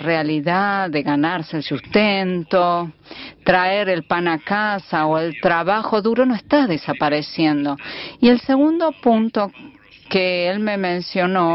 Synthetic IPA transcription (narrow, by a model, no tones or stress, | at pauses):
realiðaðeɣanaɾseːlsust̪ent̪o | t̪ɾaeɾelpanakasaoelt̪ɾaβaxo̞ðuɾo̞noest̪aðesapaɾesjend̪o̞ielseɣund̪o̞punt̪o | keelme̞mẽnsjo̞no